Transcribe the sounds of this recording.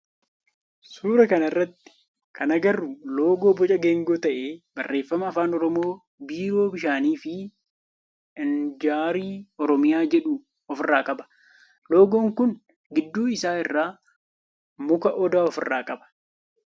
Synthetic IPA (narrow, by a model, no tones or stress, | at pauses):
suːɾɐkɐnɐɪrːɐt̪ːɪ̥ | kɐnɐɡɐrːʊlo̞ːɡo̞ːbɔt͡ʃʼɐɡe̞ːŋɡo̞ːt̪ɐʔeːbɐrːe̞ːfːɐmɐːfaːnɔɾɔmo̞ː | biːɾo̞ːbɪʃaːniːfɪ | ɐnd͡ʒaːɾiːɔɾɔmɪjaːd͡ʒɛᶑuː | ɔfɪrːaːkʼɐbɐ̥ | lo̞ːɡo̞ːŋkʊn | ɡɪd̪ːuːɪsaːɪrːaː | mʊkɐʔɔd̪aːɔfɪ̰rːaːkʼɐbɐ̥